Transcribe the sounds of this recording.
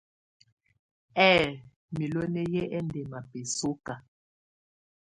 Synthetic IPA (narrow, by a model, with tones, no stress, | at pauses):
ɛ˦˨ | mi˨lo˦nɛ˦jɛ˦ʔɛ˦ndɛ˨ma˨pe˨so˦ka˨